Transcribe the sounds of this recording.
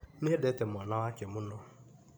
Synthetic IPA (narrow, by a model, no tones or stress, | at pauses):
niɦedetem̩ɔnawakemunɔ